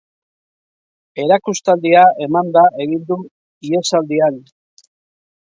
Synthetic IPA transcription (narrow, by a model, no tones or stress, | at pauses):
e̞ɾakust̪ald̪iae̞mand̪aʔe̞ɣind̪u | ie̞sald̪ian